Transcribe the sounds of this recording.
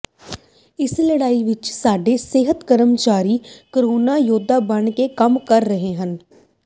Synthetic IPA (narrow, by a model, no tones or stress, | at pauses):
ɪsləɽaːiʋɪt͡ʃsaːɖeːseːɦət̪kəɾəmt͡ʃaːɾiːkəɾoːnaːjoːd̪ʱaːbəɳkekəmkəɾːəɦeɦən